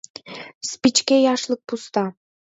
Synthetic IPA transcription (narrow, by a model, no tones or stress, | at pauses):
spit͡ʃkʲejɑʃlˠɯq̚pust̪ɑ